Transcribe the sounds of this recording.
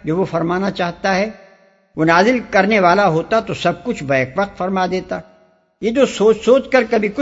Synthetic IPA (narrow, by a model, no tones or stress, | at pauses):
d͡ʒoːʋofɐɾmaːnat͡ʃaːɦt̪aɦɛː | ʋonaːzɪlkɐɾneʋaːlaɦoːt̪at̪osɐb̚kʊt͡ʃʰbɐekʋɐq̚t̪fɐɾmad̪eːt̪a | jed͡ʒosoːt͡ʃsoːt͡ʃkɐɾkɐbʱikʊ